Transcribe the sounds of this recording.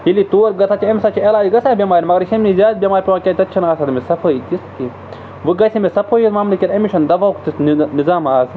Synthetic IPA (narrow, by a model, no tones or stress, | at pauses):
jilit̪oːɾɡɐt̪ʰat͡ʃʰiɐmʲsat͡ʃʰiɐlaːd͡ʒiɡɐsaːbʲemaːɾʲimɐɡɐɾʃemnizʲaːd̪̚bʲemaːɾʲipʲiwaːkʲat̪ɐt̚t͡ʃʰɐnaːsɐd̪mʲesɐpʰɐit̪iski | ʋɨɡɐsʲimesɐpʰoːjit̪maːmlɐkʲiɾɐmiʃʰɐnd̪ɐʋakt̪isnnizaːmaːs